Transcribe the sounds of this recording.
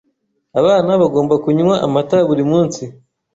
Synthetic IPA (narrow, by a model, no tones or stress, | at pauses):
aβaːnaβaɡo̞ːmbakuɲuwaʔamataβuɾimuːnsi